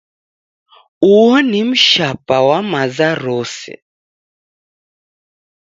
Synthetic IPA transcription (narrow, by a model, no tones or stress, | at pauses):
uwɔnim̩ʃapawamazaɾɔsɛ̰